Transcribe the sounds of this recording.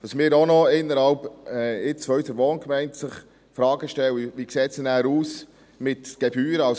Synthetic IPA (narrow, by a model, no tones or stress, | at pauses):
tɑsmɪːɾɔnɔɪnːəɾhɑlpɛɪt͡sfɔysəɾʋoːnkmæɪntsɪχ | fɾɑːɡəʃtɛwəʋikseːtsɛnæːɾuːs | mɪtɡ̥ɛbyːɾəɑ